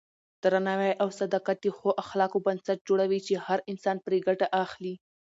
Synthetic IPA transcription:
d̪̥ɾanɑwajʔawsad̪ɑqat̪ixoʔaxlɑkobansat̪̚d͡ʒoɽawit͡ʃehaɾɪnsɑnpɾeɡaʈaʔaxli

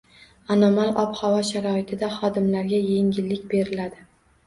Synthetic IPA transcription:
anɒmalˠɒphavɒʃaɾɒɪt̪ʰɪd̪aχɒd̪ɪmlaɾɡʲajeŋɡʲɪlːɪkʲbe̞ɾɪlad̪ɪ

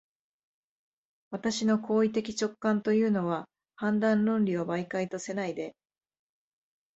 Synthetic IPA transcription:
βat̪aɕino̞kʰo̞ːit̪e̞kʲi̥t͡ɕo̞kːãnt̪o̞jɯ̟ːno̞βa | hãnd̪ãnɾõ̞nɾʲiobaikait̪o̞se̞naid̪e̞

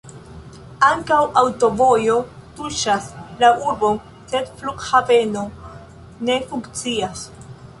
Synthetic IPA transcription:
aŋkawawto̞vo̞jo̞tuʃaslauɾbo̞n | se̞dflukhape̞no̞ | ne̞fuŋkt͡sias

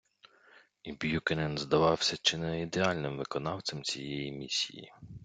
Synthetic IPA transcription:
ibjukenɛnzd̪ɐʋɑwsʲɐt͡ʃɪnɛid̪eɑlʲnɪmʋɪkɔnɑwt̪t͡s̪ʲɛmt͡sʲijɛjimʲisʲḭjḭ

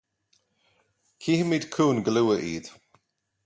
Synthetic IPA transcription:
kʰiːhɪmiːd̥kʰuːnɡluwəʔḭːd̥

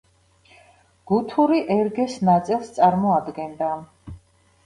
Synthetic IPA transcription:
ɡ̥ut̪ʰuɾiʔɛɾɡɛsnat̪sʼilˠst̪sʼaɾmɔad̪ɡɛnd̪a

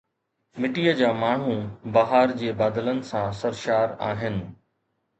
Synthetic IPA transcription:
mɪʈijəd͡ʑaːmaːɳ̤ũbaɦaːɾd͡ʑeːbaːd̪ələnɪ̆sãsɐɾʃaːɾa̰ːɦɪnɪ̆

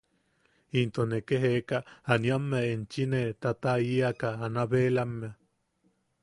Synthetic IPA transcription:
int̪onekeɦekaːnjamːeaent͡ʃinet̪at̪aiakaːnaβeːlamːea

